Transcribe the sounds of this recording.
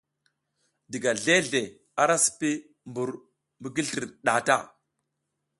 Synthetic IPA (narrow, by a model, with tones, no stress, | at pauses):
di˨ɡa˨ɮe˦ɮe˨ | a˦ɾa˦si̥˨pi˦ | mbu˨ɾ | mbə˦ɡi˦ɮti˨ɾɗa˨ta̰˦